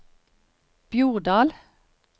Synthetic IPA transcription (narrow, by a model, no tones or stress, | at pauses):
b̥juːʁd̪ɑːl